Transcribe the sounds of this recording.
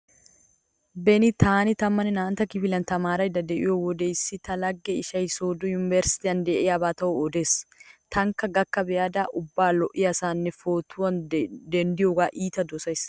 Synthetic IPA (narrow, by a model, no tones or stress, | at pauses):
bɛnit̪aːnɪt̪ɐmːɐnɪnaːnt̪ɐkɪfɪlɐnt̪ɐmaːɾɐɪd̪ɐd̪ɛʔɪ̰jɔwɔd̪eːsːɪt̪ɐlɐɡːɛɪʃɐjsoːd̪ʊjʊnɪvɛɾsɪ̥t̪iɐnd̪eːʔɛɐbaːt̪ɐʔɔɔd̪est̪ɐŋkɐɡɐkːɐbɛjaːd̪aːʔʊbːaːlɔʔɪjɐsaːnːɛfoːt̪ʊɐnd̪ɛnd̪ɪjɔɡaːʔiːt̪ɐd̪ɔsɐɪs